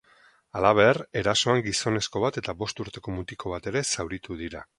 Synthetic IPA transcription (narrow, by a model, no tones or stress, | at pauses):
alaβ̞e̞re̞ɾaso̞aŋɡiso̞ne̞sko̞β̞at̪e̞t̪aβo̞st̪uɾt̪e̞ko̞mut̪ikʰo̞β̞at̪e̞ɾe̞sawɾit̪uðiɾa